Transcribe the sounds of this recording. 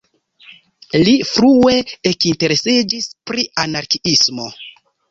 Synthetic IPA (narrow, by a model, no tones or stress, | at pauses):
lifɾue̞ekinte̞ɾesid͡ʒispɾiʔanaɾkiismo̞̰